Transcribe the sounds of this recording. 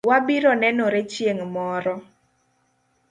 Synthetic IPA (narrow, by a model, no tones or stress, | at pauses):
wabiɾɔnɛnɔɾet͡ʃjeŋmɔɾɔ